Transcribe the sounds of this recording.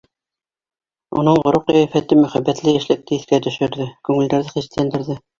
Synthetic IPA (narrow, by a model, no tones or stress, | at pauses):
o̰nɤɴʁŏɾuqːæjæfæt̪ɘmɵ̆χæbːæt̪lɘjæʃlæk̚t̪ɘɘθkæt̪ɵ̆ʃɵ̆ɾðɘkʉŋɘ̆ld̪æɾðɘχist̪lænd̪ɘ̆ɾðɘ